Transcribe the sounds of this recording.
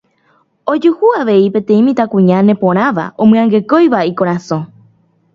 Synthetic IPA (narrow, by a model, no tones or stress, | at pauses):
od͡ʒuhuaʋe̞ipẽ̞t̪ẽ̞ĩmĩt̪akũɲãnẽ̞põ̞ɾ̃ãʋa̰ʔõmɨ̃ãŋɡe̞ko̞jʋaikoɾasõ̞